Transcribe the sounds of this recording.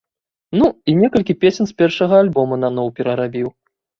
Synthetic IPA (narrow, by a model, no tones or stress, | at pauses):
nuinʲɛkɐlʲkʲipʲesʲɛnsʲpʲɛrʂɐɣɐalʲbɔmɐnanɔwpʲɛɾɐɾabʲiw